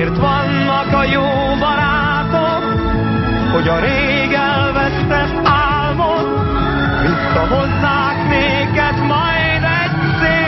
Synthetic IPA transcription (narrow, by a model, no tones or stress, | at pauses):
rt̪ʋɒnːɒkɒjoː | bɒɾaː | t̪ok | ho̞ɟɒɾeː | ɡɛlvɛst̪ɛ | aːlmon | jut̪ːɒɦozːaːkneː | kɛt̪mɒj | d̪ɛɟ | se